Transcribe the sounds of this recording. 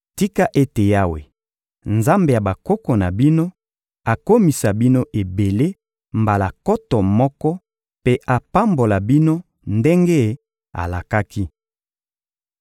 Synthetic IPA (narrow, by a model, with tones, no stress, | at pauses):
ti˦ka˦ʔe˦te˨ja˦wḛ˨ | nza˦mbe˨ja˨ba˨ko˦kɔ˨na˨bi˦no˦ | a˨ko˦mi˨sa˨bi˦no˦ʔe˨be˨le˦ | mba˨la˨kɔ˦tɔ˨mɔ˦kɔ˦ | pe˦ʔa˨pa˦mbo˨la˨bi˦no˦ | nde˦ŋɡe˦˨ | a̰˨la˨ka˦ki˦